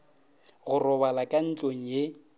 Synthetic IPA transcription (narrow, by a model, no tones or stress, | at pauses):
ɣʊrɔβalakʼan̩t͡ɬʼoŋ̩je